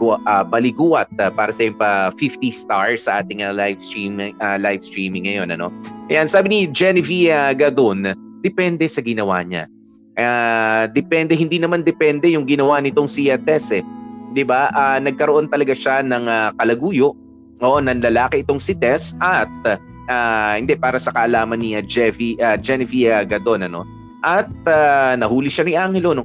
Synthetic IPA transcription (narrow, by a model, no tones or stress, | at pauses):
ɡʔabɐlɪɡuːʔɐt̪̚ɐpaːɾɐsɐjɪŋpɐfift̪ist̪aɹsɐʔaːt̪ɪŋɐlajvst̪ɹimalajvst̪ɹiːmɪŋːɐjo̞nɐno̞̰ʔɐjansaːbɪnid͡ʒɛnɪfiaɡɐd̪on | d̪̥ɛpɛnd̪ɛsɐɡɪnɐwa̰ɲa̰ | ad̪ɛpɛnd̪ɛhɪnd̪inɐmand̪ɛpɛnd̪ɛjʊŋɡɪnɐwanɪt̪o̞ŋsiɐt̪ɛsɛd̪ɪbaʔaːnɐɡ̚kɐɾoʔo̞nt̪ɐlɐɡaʃanɐŋɐkɐlɐɡuːjo̞ʔ | ʔoːʔonɐŋlɐlaːkɛʔɪt̪o̞ŋsɪt̪ɛsɐt̪̚ | aːhɪnd̪ɛpaːɾɐsɐkɐʔɐlaːmɐnːiɐd͡ʒɛfiʔɐd͡ʒɛnɪfiaɡɐd̪o̞nɐno̞̰ | ʔɐt̪̚anɐhuːliʃaniʔaŋhɛlono